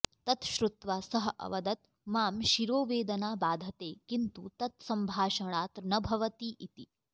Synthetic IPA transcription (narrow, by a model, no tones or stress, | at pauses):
t̪ɐt̪ʃɾut̪ʋaːsɐɦɐ̆ʔɐ̰ʋɐd̪ɐt̪ | maːmʃiɾoːʋeːd̪ɐnaːbaːd̪ʱɐt̪eːkint̪ṵt̪ɐt̪sɐmbʱaːʃɐɳ̃aːt̪nɐbʱɐʋɐt̪iʔit̪i